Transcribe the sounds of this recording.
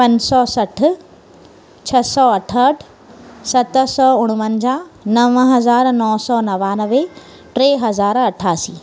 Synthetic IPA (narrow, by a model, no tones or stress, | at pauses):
pɐ̃ɲsɔːsɐʈ̆ʰ | t͡ɕʰɐsɔːɐʈʰəʈʰ | sɐt̪sɔːʊɽ̃mənd͡ʑanɐʋɦɐzaːɾnɔːsɔːnɐʋaːnəʋe | ʈɾeːɦɐzaːɾɐʈʰaːsiː